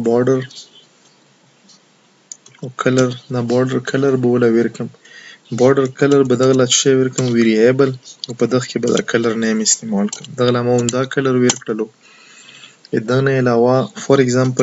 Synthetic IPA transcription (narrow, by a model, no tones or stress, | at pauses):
bɑɖaɾ | akʰalaɾd̪abɑɾɖəɾkʰalaɾbəwəlaweɾkəm | bɑɾɖaɾkalaɾbad̪aɣalat͡ʃʃeweɾkəmweɾiebəlawpəd̪əxkebad̪a̰kʰalaɾnajəmɪst̪emɑlkəmd̪aɣlamaʊmd̪ɑkalaɾweɾkɽəlo | ed̪ənaɪlawafaɾɪkzampə